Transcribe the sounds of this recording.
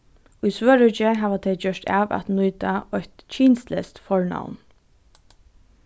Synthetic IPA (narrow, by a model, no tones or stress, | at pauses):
ʊjsʋœːɾʏt͡ʃɪɦaːʋat̪ʰɛjt͡ɕœʂt̪aːʋa̰t̪nujt̪aɔjt̪t͡ʃʰiːnst̪lɛst̪fɔɹna̰wn